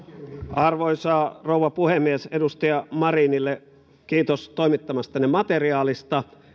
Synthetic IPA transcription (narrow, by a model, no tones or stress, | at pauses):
ɑrʋoisɑːrowɑpuhemːiesedust̪ɑjɑmɑrinilːe | kiːt̪ost̪oimit̪ːɑmɑst̪ɑnemɑt̪eriɑːlist̪ɑ